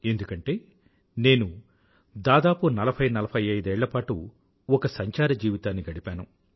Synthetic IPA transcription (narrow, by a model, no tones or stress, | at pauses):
e̞nd̪ukɐɳʈe̞ː | ne̞ːnu | d̪aːd̪aːpunɐlɐpʰɐjnɐlɐpʰɐjɐjd̪ɛːɭːɐpaːʈu | ɔkɐsɐɲt͡ʃaːɾɐd͡ʒiːʋit̪aːnːiɡɐɽipaːnu